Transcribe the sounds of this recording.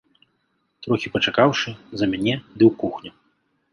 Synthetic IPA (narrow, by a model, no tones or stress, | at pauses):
t̪ɾɔxʲipɐt͡ʂakawʂɨzɐmʲanʲɛd̪ɨwkuxnʲu